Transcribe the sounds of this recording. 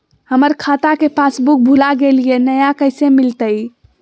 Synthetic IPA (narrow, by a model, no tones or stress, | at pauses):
həməɾkʰat̪akepasbuk̚bʱulaɡelijenəjakəɪsemilt̪əj